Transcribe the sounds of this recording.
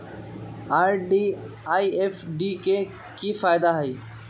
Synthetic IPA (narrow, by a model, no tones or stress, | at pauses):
aːɾɖiː | aːiːeːfɖiːkeː | kiːfaːjɪd̪aɦiː